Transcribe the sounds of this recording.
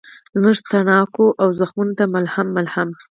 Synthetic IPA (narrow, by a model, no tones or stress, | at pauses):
zməʐt̪aɳɑkoʔawzaxmunot̪amalhamːalham